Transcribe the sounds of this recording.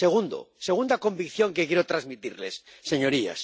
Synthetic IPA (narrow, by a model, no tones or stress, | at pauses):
seɣ̞und̪o̰se̞ɣ̞und̪ako̞mbikθjo̞ŋkekjeɾot̪ɾazmit̪iɾle̞sːe̞ɲo̞ɾia̰s